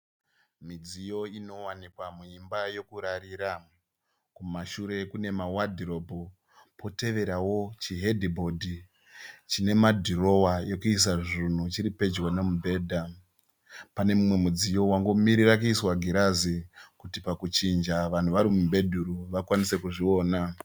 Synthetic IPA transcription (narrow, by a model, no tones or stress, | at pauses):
mid͡zijo̞ino̞wanikwamuimbajo̞kuɾaɾiːɾa | kumaʃuɾe̞kune̞mawadʱiro̞bʱo | pʰo̞te̞ʋe̞ɾawo̞t͡ʃiɦe̞dʱibʱo̞dʱi | t͡ʃine̞madʱiro̞waje̞kuis̬aʐin̤ut͡ʃiɾipe̞d͡ʒwanemubʱe̞ːdʱa | pane̞mumwe̞mud͡zijo̞waŋɡo̞miɾiɾakuiswaɡʱiɾazikutipakut͡ʃind͡ʒaʋan̤uʋaɾimumbʱe̞dʱuɾuʋakwanise̞kuʐio̞ːna